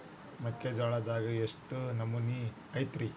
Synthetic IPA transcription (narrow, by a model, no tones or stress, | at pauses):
mɐkːed͡ʒaːɭad̪aːɡɐeʂʈunɐmːuni | ɐjt̪ɾi